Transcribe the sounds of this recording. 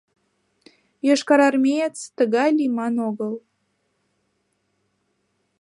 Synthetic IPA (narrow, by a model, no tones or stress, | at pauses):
jɤʃkɑɾɑrmʲejet͡st̪əɣɑjlimɑnoɣəl